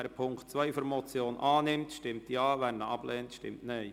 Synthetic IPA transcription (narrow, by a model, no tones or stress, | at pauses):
ɛɾəpʰʊŋktt͡sʋœɪfɔɾmɔt͡sjoːnʔɑːnɪmtʃtɪmtjɑːʋæɾnəɑb̥lɛːntʃtɪ̰mtnɛɪ